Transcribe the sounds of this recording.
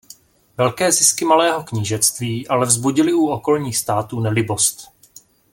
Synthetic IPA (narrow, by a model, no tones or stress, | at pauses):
vɛlkɛːzɪskɪmalɛːɦo̞kɲiːʒɛt͡st̪viːʔalɛvzbuɟɪlɪuoko̞lɲiːxst̪aːt̪uːnɛlɪbo̞st̪